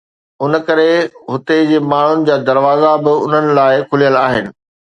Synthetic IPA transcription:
ʊn̆kɐɾeɦʊt̪ed͡ʑeːmaːɳ̤ʊnɪ̆d͡ʑaːd̪ɐɾʋaːzabɪʊ̰n̤ənɪ̆laːɪkʰʊlijəlaːɦɪnɪ̆

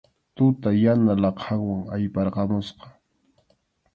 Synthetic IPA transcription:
t̪ʊt̪ajanalɑqʰɑŋwaŋajpɑɾqɑmʊsqɑ̥

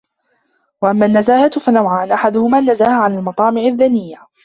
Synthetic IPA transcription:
waʔamːaːnːazaːhat̪fanawʕaːnʔaħad̪ʊhʊmaːnːazaːhaʕanalmɑt̪ˤɑːmɪʕaðːanɪjːa

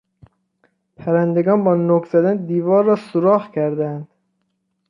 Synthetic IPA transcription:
pʰæɾænd̪e̞ɡɒːnbɒːnokz̥æd̪ænd̪iːvɒːɾːɒːsoɾɒːhcʰæɾd̪ænd̪̥

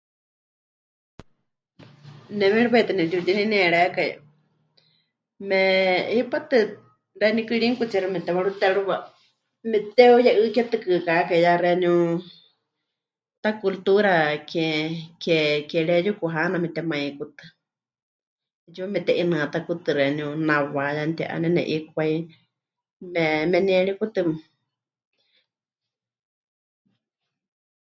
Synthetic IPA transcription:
nɛmɛ̃ɺiβait̪ɨnɛt̪ut̪inĩnɛɺɛkaja̰ | mɛipat̪ɨ | rɛnĩkɨɺiŋkut͡sɛɾumɛt̪ɛβaɺut̪ɛɺuβa | mɛt̪ɛujaʔɨkɛt̪ɨkɨkakaijaɾɛniũ | t̪akult̪uɾakɛkɛkɛɺɛjukuɦanamɛt̪ɛmãĩkut̪ɨ | jumɛt̪ɛʔinãat̪akut̪ɨɾɛniũnãwajant̪ia̰ʔa̰nɛ̃nɛ̰̃ʔik̚ʷai | mɛmɛniɛɺikut̪ɨm

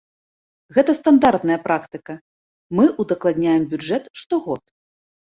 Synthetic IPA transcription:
ɣɛt̪ɐst̪and̪art̪nɐjɐpɾakt̪ɨkɐ | mɨʔud̪ɐklˠad̪ʲnʲajɛmbʲud͡ʐɛt̪ʂt̪ɔɣɔt̪

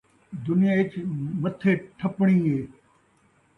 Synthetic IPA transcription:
d̪ʊnɪjaːɪt͡ɕmət̪ʰeːʈʰɐpɳ̃ĩːeː

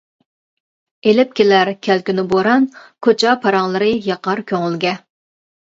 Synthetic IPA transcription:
elɪp̚kʲelæɾkʲʰælkʲynɪboɾɑnkʰot͡ʃʰɑpʰɑɾɑŋlˠɨɾɨjɑqɑɾkʲʰøŋylɡʲɛ

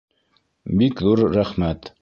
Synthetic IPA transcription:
bikðuɾːæχmæt̪

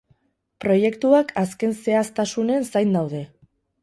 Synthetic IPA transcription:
pɾo̞je̞kt̪uakʰaske̞nse̞ast̪asune̞nsajnd̪awð̞e̞

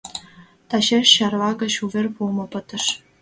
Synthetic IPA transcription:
t̪ɑɕerʲɕɑrʋɑɡɤ̆ɕuvʲĕrʲpulˠmɤ̆pɤ̆t̪ɤ̆ʂ

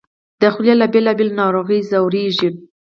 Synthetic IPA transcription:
d̪əxljalabelɑbelnɑɾoɣəjzawɾeʒi

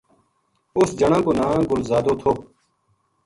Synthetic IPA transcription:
ʊsd͡ʒəɳãːkoːnãːɡʊlzaːd̪oːt̪ʰoː

